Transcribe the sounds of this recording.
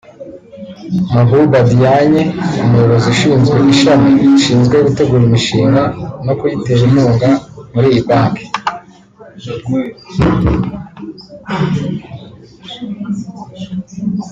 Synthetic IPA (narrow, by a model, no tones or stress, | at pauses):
mabubadijaɲeumuoɾoziʃiːnzɡwe̞ʔiʃameʃiːnzɡweɡute̞ɡuɾimiʃiːŋɡano̞kujite̞ɾimuːŋɡamuɾijipaːke̥